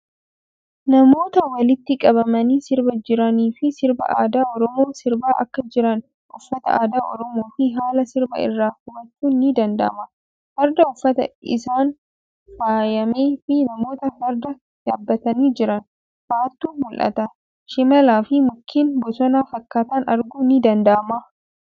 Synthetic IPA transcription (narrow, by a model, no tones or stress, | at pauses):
nɐmo̞ːt̪ɐwɐlɪt̪ːɪkʼɐβɐmɐniːsɪɾbɐd͡ʒɪɾɐniːfɪsɪɾbɐ̰ʔaːd̪aːɔɾɔmoːsɪɾbaːʔɐ̰kːɐd͡ʒɪɾɐn | ʔʊfːɐt̪ɐ̰ʔaːd̪aːʔɔ̰ɾɔmo̞ːfɪɦaːlɐsɪɾbɐ̰ɪ̰rːaːhʊmɐt͡ʃːuːnːɪd̪ɐnd̪ɐ̰ʔmɐ | hɐɾd̪ɐʊfːɐt̪ɐ̰ɪ̰saːn | faːjɐmeːfɪnɐmo̞ːt̪ɐhɐɾd̪ɐ | j̪aːbːɐt̪ɐniːd͡ʒɪɾɐn | faːt̪ːuːmʊlʔɐ̰t̪ɐ | ʃɪmɐlaːfɪmʊkʰːiːnbɔsɔnaːfɐkːaːt̪ɐnɐ̰ɾɡuːnɪd̪ɐnd̪ɐʔɐmɐ